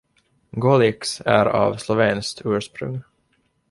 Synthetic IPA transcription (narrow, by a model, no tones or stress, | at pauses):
ɡɔlɪksæɾɑ̰vslɔveːnskt̪ʰʉ̟ːʂpɾɵ̰ŋ